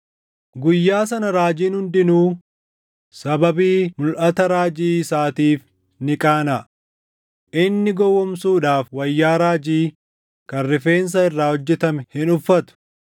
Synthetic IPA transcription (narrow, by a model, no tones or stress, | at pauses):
ɡʊjːaːs̬ɐnɐɾaːd͡ʒiːnhʊnd̪ɪnuː | sɐbɐbiːmʊlʔɐt̪ɐɾaːd͡ʒiːsaːt̪iːf | nɪkʼaːnɐ | ʔɪnːɪɡɔwːɔmsuːᶑaːfwɐjːaːɾaːd͡ʒiː | kɐrːɪfe̞ːns̬ɐɪrːaːhɔd͡ʒːɛt̪ɐmɛhɪnʊfːɐt̪ʊ̥